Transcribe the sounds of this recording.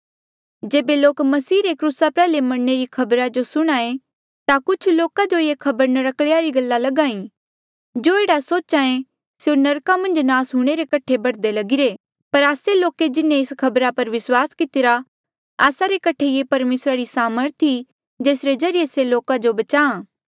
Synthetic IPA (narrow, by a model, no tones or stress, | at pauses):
d͡ʒeːbeloːkmɐsiːɾekɾusapɛːlemɐɽneɾikʰɐbɾad͡ʒosʊɽ̃aːẽ | t̪akʊt͡ʃʰloːkad͡ʒojekʰɐbəɾnəɾɐkɭejaɾiɡɐlːalɐɡãːĩ | d͡ʒoːeːɽasoːt͡ʃaẽ | seonɐɾkamɐ̃nd͡ʒnaːsɦũːɽ̃eɾekɐʈʰebɐɽd̪elɐɡɪɾe | pɐɾaːseloːked͡ʒɪnẽɪskʰɐbɾapɐɾʋɪswaːskɪt̪ɪɾa | aːsaɾekɐʈʰejepɐɾmeːsɾaɾisaːməɾt̪ʰi | d͡ʒeːsɾed͡ʒɐɾijeseloːkad͡ʒobɐt͡ʃaːãː